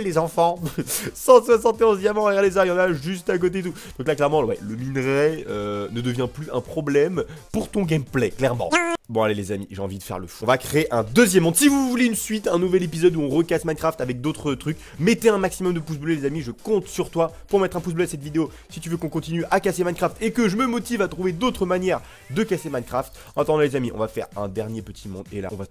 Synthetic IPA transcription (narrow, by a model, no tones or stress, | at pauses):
lezɑ̃fɑ̃sɑ̃swasɑ̃t̪eɔ̃zamɑ̃ɛʁlezajɑ̃naʒys̬t̪ak̬ot̪et̪ud̪̥ɔ̃klaklɛʁmɑ̃wɛ̰ləminʁɛønəd̪əvjɛ̃plyɛ̰̃pχɔblɛmpuʁt̪ɔ̃ɡɛmplɛklɛʁmɑ̰̃bɔ̃alelezamiʒeɑ̃vid̪əfɛ̰ʁləfu̥ɔ̃vakχeːʔɛ̃d̪əzjɛmːɔ̃d̪sivuvuleynsɥit̪ɛ̃nuvɛlepizɔd̪uɔ̃ʁəkasmankχaft̪avɛk̚d̪ot̪χət̪χyk | met̪eɛ̃maksimɔmd̪əpus̬blɛlezamiʒəkɔ̃t̪syʁt̪wapuʁmɛt̪χɛ̃pus̬blɛsɛt̪vid̪eo | sit̪yvøkɔ̃kɔ̃t̪inyʔakasemankχaft̪ekəʒəməmɔt̪ivat̪χuved̪ot̪χəmanjɛʁ | d̪əkasemankχaft̪ | ɔ̃at̪ɑ̃d̪ɑ̃lezamiʔɔ̰̃vafɛ̰ʁɛ̰̃d̪ɛʁnjepət̪ʰimɔ̃d̪ḛla̰ɔ̃va